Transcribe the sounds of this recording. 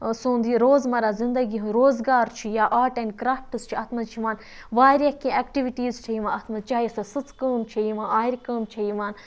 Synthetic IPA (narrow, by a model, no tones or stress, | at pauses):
sũːnd̪iːɾoːzmɐɾaːzĩnd̪ɐɡiɦũɾoːzɡaːɾt͡ʃʰijaʔaːʈenkɾaːp̚ʈɨst͡ʃʰiɐt̪ʰmɐt͡ʃʰiʋaːn | ʋaːɾʲjɐkĩeːkʈiʋiʈiːzt͡ʃʰɐiʋãɐt̪ʰmɐt͡ʃaːisɐsɨt͡skəːmt͡ʃʰɐiʋãːnaːiɾʲkəːmt͡ʃʰɐiʋaːn